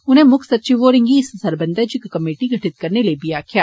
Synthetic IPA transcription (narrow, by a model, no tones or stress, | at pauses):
ʊnɦẽmʊkʰsɐtːt͡ʃiʋoːɾɪ̃ŋɡiɪssɐɾbɐ̃nd̪əd͡ʒikkɐmeːʈiɡʱɐʈʰɪt̪̚kɐɾnelebiaːkʰjaː